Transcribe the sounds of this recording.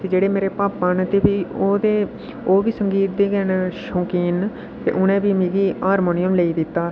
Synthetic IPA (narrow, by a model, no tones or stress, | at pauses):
t̪eːd͡ʒeːɽeːmeːɾeːpaːpaːnt̪eːbiːoːd̪eː | oːʋiːsəŋɡiːt̪̚d̪iːɡɛnʃõːkiːn | t̪ḛːʔʊnẽːbiːmiːɡiːɦaːɾmoːnɪjəmləiːd̪ɪt̪ːaː